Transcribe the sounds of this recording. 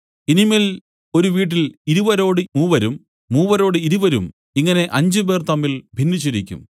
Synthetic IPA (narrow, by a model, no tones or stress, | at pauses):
inimil | o̞ɾuʋiːʈ̬ːiliɾubɐɾo̞ːɽɨmuːʋɐɾumː | uːʋɐɾo̞ːɽɨiɾuʋɐɾṵm | iŋːɐne̞ʔɐɲd͡ʑɨbe̞ːrt̪ɐmːilbʱinːit͡ɕːiɾikʲːṵm